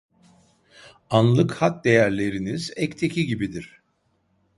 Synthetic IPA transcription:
anlˠɯkhat̪̚d̪e̞jæɾlʲe̞ɾinizɛct̪ʰe̞cʰiɟibid̪iɾ̥

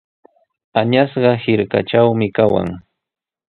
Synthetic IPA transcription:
aɲasɢɑhɪɾka̰t͡ʃawmɪkawa̰ŋ

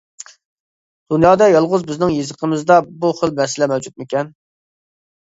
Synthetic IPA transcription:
d̪̥unjɑːd̪ɑjɑlˠʁʊzbɪznɪŋjezəqʰəmɨzd̪ɑbuχəlˠmɛsɪlɛmɛwd͡ʒut̪̚mɪkʲɛn

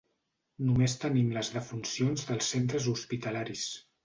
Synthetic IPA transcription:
numest̪ənimləzðəfunsionzðəlˠsːent̪ɾəzuspit̪əlaɾis

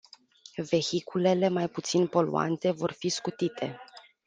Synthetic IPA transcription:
ve̞çikule̞le̞majput̪sinpo̞lṵa̰nt̪e̞vo̞rfiskut̪it̪ʰe̞̰

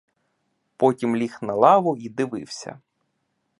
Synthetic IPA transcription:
pɔtʲimlʲixnɐlˠɑʋʊid̪ɪʋɪ̰wsʲɐ̰

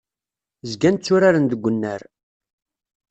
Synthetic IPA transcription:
zɡænt͡sːʊɾaɾənd̪əɡʷːənːəɾ

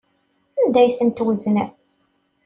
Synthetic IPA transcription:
ænd̪æjθənt̪wəznæ

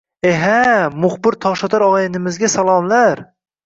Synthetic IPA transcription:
eɦæmʊχbɪɾt̪ʰɒʁʃɑt̪ʰɑɾɒʁɑjɪnɪmɪzɡʲasalˠɑmlˠaɾ

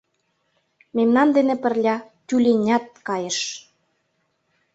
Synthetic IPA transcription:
memnɑnd̪enĕpə̆rlʲɑ | t̪ʲylʲenʲɑt̪̚kɑjəʃ

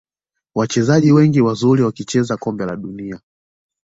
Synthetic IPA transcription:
wat͡ʃɛzaʄiwɛŋɡiwazuɾiwakit͡ʃɛzakɔmbɛla̰ɗunia

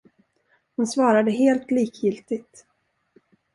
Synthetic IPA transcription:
hʊnsvɑːɾad̪əɦeːlt̪liːkʰjɪlt̪ɪɡt̪

